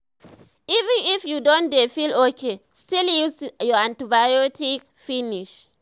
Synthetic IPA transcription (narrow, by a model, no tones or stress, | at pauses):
ʔivɪnʔɪfjudɔ̃ndefilokestiljusjɔãntibajotɪk̚ | finɪʃ